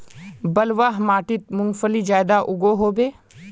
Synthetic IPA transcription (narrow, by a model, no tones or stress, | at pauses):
bɐlʋaɦmaːʈɪt̪̚mʊ̃ŋɡfəlid͡ʒaːjd̪aʔʊɡoɦoːbeː